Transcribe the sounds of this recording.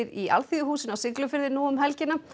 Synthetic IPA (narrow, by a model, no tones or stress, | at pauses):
ɪɾiʔa̰lθiːðʏhuːsɪnawsɪklʏfɪɾðɪnuːʏmɦɛlcɪnːa